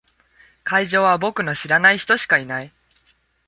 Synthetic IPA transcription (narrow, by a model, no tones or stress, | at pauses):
kaiʑo̞ːβ̞abo̞kɯ̟no̞ɕiɾanaiçi̥t̪o̞ɕi̥kainai